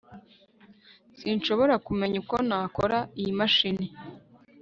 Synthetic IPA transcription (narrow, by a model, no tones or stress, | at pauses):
sinʃo̞βo̞ɾakume̞ɲuko̞naːkoɾaijimaʃini